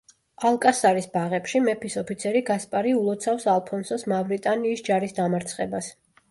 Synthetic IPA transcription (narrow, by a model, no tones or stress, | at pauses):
alˠkʼasaɾisbaʁɛpʃimɛpʰisɔpʰit̪sʰɛɾiɡaspʼaɾiulˠɔt̪sʰafsalˠpʰɔnsɔsmavɾit̪ʼaniːsd͡ʒaɾisd̪amaɾt̪sʰχɛbas